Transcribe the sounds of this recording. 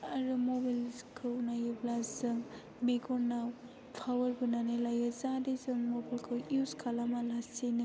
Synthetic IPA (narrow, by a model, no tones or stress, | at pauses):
aɾumobalkʰɯwnajɯblazɯŋ | meɡɔɾnaw | pʰawɐɾbunanelajazadezɯŋmobalkʰɯwuskʰalamalassenɯ